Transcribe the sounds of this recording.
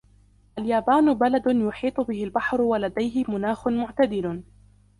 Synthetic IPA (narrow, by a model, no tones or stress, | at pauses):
ʔaljaːbaːnʊbalad̪ʊjʊħiːt̪ˤʊbɪhɪlbaħɾʊwalad̪ajɦɪmʊnaːxʊnmʊʕt̪ad̪ɪl